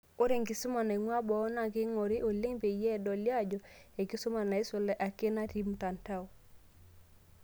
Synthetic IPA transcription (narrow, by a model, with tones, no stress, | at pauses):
o˦ɾe˨ŋɡɪ˨sʊ˦ma˨na˨i˨ŋwa˦bɔ˨ɔ˦na˨kɪ˦ŋɔ˨ɾi˦ʔo˨le˦ŋbe˨jɛ˦˨dɔ˨lja˦d͡ʒɔ˨e˨kɪ˦sʊ˦ma˨na˨e˦sʊ˨lɛ˦ʔa˨ke˦na˦ti˦m˦ta˨nta˦w